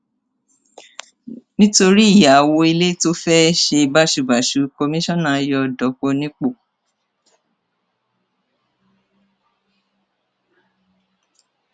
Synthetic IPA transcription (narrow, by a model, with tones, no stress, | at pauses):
nĩ˦to˧ɾi˦˨ja˨wo˧i˧le˦to˦fɛ˦ʃe˧ba˦ʃu˧˨ba˨ʃu˨˦ko˧mĩ˦ʃɔ̃˦˨nã˨˦jɔ˧˨dɔ˨˦ko˧nĩ˦k͡po˦˨